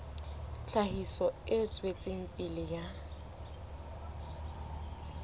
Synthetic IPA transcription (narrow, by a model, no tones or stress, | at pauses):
ɬahisɔɪt͡sʼwet͡sʼeŋ̩pʼilɪja